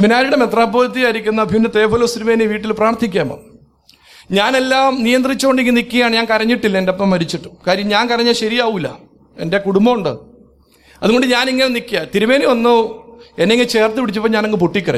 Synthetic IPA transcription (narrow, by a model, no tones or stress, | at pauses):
iʋɐnaːɾuɽe̞me̞t̪raːboːlɐt̪ːijaːjɾikʲːunːɐbʱjunːɐt̪e̞ːbʰʱolosiɾumeːniʋiːʈːilpraːrt̪ʰːikʲːaːmo̰ | ɲaːne̞lːaːmnijɐnd̪rit͡ɕːuoɳɖiŋɡɨnikʲːijaːɳɨɲaːnkɐɾɐɲːiʈːilːɐendepːɐmːɐɾit͡ɕːiʈːumkaːɾjɐmɲaːnkɐɾɐɲːaɕɐɾijaːʋuilːɐ̰ | e̞̰nde̞kuɽumbɐmuɳɖɨ | ɐðuɣo̞ɳɖɨɲaːniŋːɐnenikʲːijat̪iɾumeːnionːɨenːeŋɡit͡ɕe̞ːrt̪ːɨpiɽit͡ɕːupːoːɲaːneŋɡɨpoʈːikʲːɐrɐɲ